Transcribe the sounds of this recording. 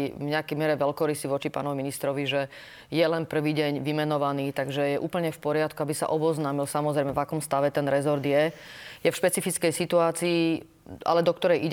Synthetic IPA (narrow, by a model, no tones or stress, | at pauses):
ivɲɛakɛjmɪɛɾɛʋɛlkɔɾisiʋɔt͡ʃipa̰ːnɔʋiminist̪ɾɔʋiʒɛ | jɛlɛnpr̩ʋiːɟɛɲʋimɛnɔʋaniːt̪aɡʒɛjɛʔuːpl̩ɲɛfpɔɾɪat̪kuabisa̰ʔɔbɔznaːmilsamɔzɾɛjmɛvakɔmst̪aʋɛt̪ɛnɾɛzɔɾd̪jɛjɛfʃpɛt͡sifit͡skɛjsit̪uaːt͡siː | a̰lɛd̪ɔkt̪ɔɾɛjiɟ